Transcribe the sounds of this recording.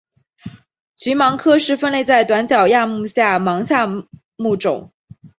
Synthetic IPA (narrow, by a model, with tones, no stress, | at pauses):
t͡ɕy˧˥mɑ˧˥ŋkʰɤ˥ʂɻ̩˥˩fə˥˧nle˥˧ɪt͡sa˥˩ɪt̪wa˧˥nt͡ɕjɑ˨˩ʊja˥˧mu˥˧ɕja˥˩mɑ˧˥ŋɕja˥˧ | mu˥˩ʈ͡ʂʊ̰˨˩˦ŋ